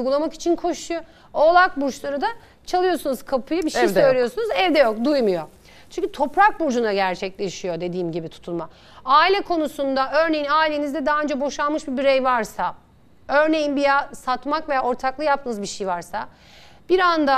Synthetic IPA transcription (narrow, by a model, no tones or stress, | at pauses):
ujɡulˠamaki̥t͡ʃʰinkʰo̞ʃujo | olˠak̚buɾt͡ʃlˠaɾɯd̪a | t͡ʃʰalˠɯjo̞sunuz̥kʰapʰujɯbiʃejsø̞jjlʲijo̞sunuzɛvd̪ɛjo̞k̚d̪ujmujo̞ | t͡ʃʰyɲʲcʰyt̪ʰo̞pɾak̚buɾd͡ʒunaɟæɾt͡ʃʰɛclʲe̞ʃijo̞d̪e̞d̪iːmɟibit̪ʰu̥t̪ʰulˠma | aːilʲɛkʰo̞nusund̪aʔø̞ɾne̞jinaːilʲe̞nizd̪ɛd̪aɦːønd͡ʒɛbo̞ʃalˠmɯʃbibiɾɛjvaɾsa | ø̞ɾne̞jinbijasat̪makve̞jao̞ɾt̪ʰaklˠɯjap̚t̪ʰɯnɯzbiʃejvaɾsa | b̥iɾand̪a